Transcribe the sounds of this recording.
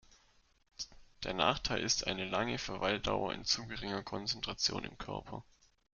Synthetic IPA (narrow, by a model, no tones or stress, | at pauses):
d̥eːɐna̰ːχtʰaɪlʔɪstʔa̰ɪnəlaŋəfɛɐvaɪlda̰ʊɐ̰ʔɪ̰nt͡suːɡəʁɪŋɐkʰɔnt͡sɛntʁ̥at͡sjo̰ːnɪ̰mkʰœɐpʰɐ